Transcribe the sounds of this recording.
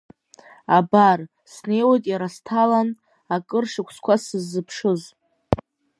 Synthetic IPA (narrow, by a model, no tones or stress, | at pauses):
abar | sne̞jwajtʼjaɾastʰalan | akʼɨrʂɨkʷʰskʷʰasɨzːɨpʰʂɨz